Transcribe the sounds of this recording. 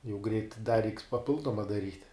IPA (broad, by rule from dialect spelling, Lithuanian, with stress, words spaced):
jɛʊ ɡrʲɛɪt dɐ rʲɛɪks pɐˈpʲɪlˠdoːmɐ dɐˈrʲiːtʲ